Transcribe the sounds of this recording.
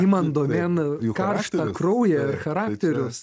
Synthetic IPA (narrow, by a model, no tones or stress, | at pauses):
iːmɐnd̪oːmʲeːnkɐrʃtt̪ɐkɾɐʊjɛɪɾxɐɾɑːt̪ʲɛɾʲʊs